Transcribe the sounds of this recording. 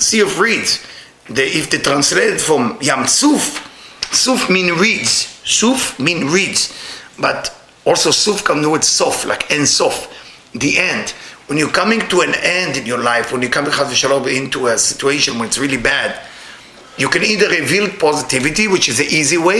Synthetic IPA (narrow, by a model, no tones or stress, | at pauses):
siɔfɹidz̥ | ðɨɪfd̪ɨtɾãnsleɪɾɨdfɹɔ̃mjãmsufsufmĩnɹidz̥sufmĩnɹidz̥bat | ɔlsosufkãmduwɪdsɔfla̰ɪkɛ̃ndsɔf | d̪iʔɛ̃ndwɛ̃njukãmɪ̃ŋtuɛ̃nɛ̃ndɨ̃njɔlaɪfwɛ̃njukʰãmtuχazləʃalõmɪ̃ntuəsɪ̥t͡ʃueɪʃɔ̃nwɛ̃nɨtsɹilibæd | jukɛ̃niðəivild̚pʰɔzɪtɪvɨtiwɪt͡ʃɪzɨʔiziweɪ